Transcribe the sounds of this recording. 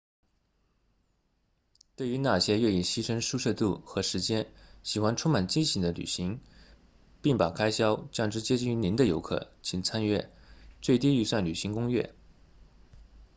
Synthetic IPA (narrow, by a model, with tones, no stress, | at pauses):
t̪we˥˩ɪy˧˥na˨˩ɕjɛ˥ɥɛ˥˩i˨˩ɕi˥ʂʰə˥ŋʂu˥˧ʂɤ˥˧t̪u˥˩xɤ˧˥ʂɻ̩˧˥t͡ɕjɛ˥nɕi˨˩xwa˥nʈ͡ʂʰʊ˥ma˨˩nt͡ɕi˥˧nɕi˧˥ŋd̪ə˧ly̰˨˩ɕi˧˥ŋ | pi˥˩ŋpa˨˩kʰa˥ɪɕjɑ˥ʊt͡ɕjɑ˥˩ŋʈ͡ʂɻ̩˧˥t͡ɕjɛ˥t͡ɕi˥˩ŋy˧˥ni˧˥nd̪ə˧jo˧˥ʊkʰɤ̰˨˩˦t͡ɕʰi˨˥˩ŋt͡sʰa˥nɥɛ̰˥˩t͡swe˥˧ɪt̪i˥˧y˥˧swa˥˩nly˨˩ɕi˧˥ŋkʊ˥ŋɥɛ̰˥˩